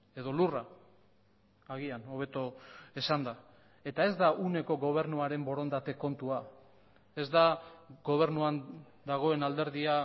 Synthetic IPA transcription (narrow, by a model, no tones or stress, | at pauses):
e̞ðo̞lura | ɣ̞iano̞β̞e̞t̪o̞esand̪a | e̞t̪ae̞zd̪aʔune̞ko̞ɣo̞β̞e̞ɾnuaɾe̞mbo̞ɾo̞nd̪at̪e̞ko̞nt̪ua | e̞zd̪aɡo̞β̞e̞ɾnuan | d̪aɣ̞o̞e̞nald̪e̞ɾðia